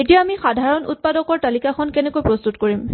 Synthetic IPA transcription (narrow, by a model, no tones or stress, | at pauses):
etijaamixadʱaɹɔnṵt̚padɔkɔɹtalikakʰɔnkɛnɛkojpɹɔst̪utkoɹim